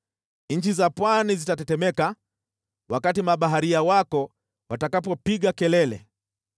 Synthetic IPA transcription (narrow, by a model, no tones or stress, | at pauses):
ɲ̩t͡ʃizapwanizitatɛtɛmɛka | wakatimaɓaɦaɾiawakɔ | watakapɔpiɠakɛlɛlɛ̰